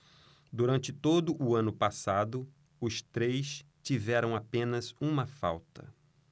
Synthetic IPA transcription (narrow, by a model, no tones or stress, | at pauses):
d̪uɾɐ̃nt͡ʃɪt̪od̪ʊʔʊɐ̃nʊpasad̪ʊ | ʊst̪ɾejs | t͡ʃivɛɾɐ̃w̃apẽnɐzũmɐfa̰wt̪ɐ̰